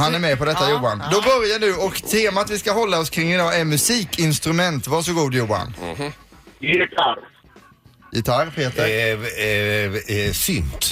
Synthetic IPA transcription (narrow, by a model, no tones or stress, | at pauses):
hanæɾmɛpɔd̪ɛt̪ːajuːand̪ɔbœɾjaɳʉ̟ːɔkt̪ʰeːmat̪vɪskaɦɔlːaɔskʰɾɪŋːɪd̪ɑːʔæɾmɵsiːkʰɪnst̪ɾɵmɛnt̪vaʂɔɡuːd̪juːa̰n | jɪt̪ʰaɾ | jɪt̪ʰaɾpʰeːt̪əɾ | sʏnt̪